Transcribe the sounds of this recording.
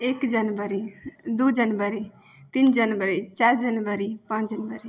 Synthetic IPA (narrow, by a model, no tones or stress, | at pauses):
ekd͡ʒʌnbəɾid̪ud͡ʒʌnbəɾi | t̪ind͡ʒʌnbəɾit͡ʃaɾd͡ʒʌnbəɾipãt͡ʃd͡ʒənbəɾi